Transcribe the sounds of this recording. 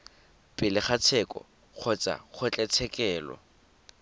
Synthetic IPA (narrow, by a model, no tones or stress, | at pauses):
pʼɪlɪχat͡sʰɛkʼɔ̰ | k͡xʰɔt͡sʼa̰χʰʊt͡ɬʼɛt͡sʰɛkʼɛːlɔ̰